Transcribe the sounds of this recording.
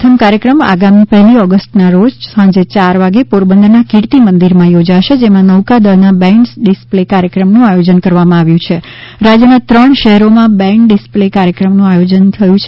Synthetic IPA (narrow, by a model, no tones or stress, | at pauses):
t̪ʰəmkaɾjəkɾəma̰ɡamipɛɦliɔɡəsʈnaɾod͡ʒsãd͡ʒet͡ʃaɾʋaɡepoɾbənd̪nakɪɽt̪imənd̪iɾmãjod͡ʒaʃed͡ʒemãnəʋkad̪əɾnabɛ̃sɖɪsplekaɾjəkɾəmnũajod͡ʒənkəɾʋamãaʋjũt͡ʃʰe | ɾad͡ʒjənat̪ɾəɳʃəɦɛɾomãbɛ̃kɖɪsplekaɾjəkɾəmnũajod͡ʒənt̪ʰəjũt͡ʃʰ